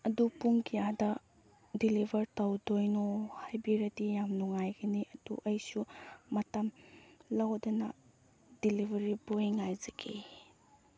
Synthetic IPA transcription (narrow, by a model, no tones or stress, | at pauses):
ɐdupuŋkʰijadɐ | dilibʱɐɾtawdojnohajbiɾɐdijamnuŋajɡɐniʔɐd̥ṵʔɐjsumɐtɐmlawdɐnɐ | d̥ilibʱɐɾibojŋajzɐɡe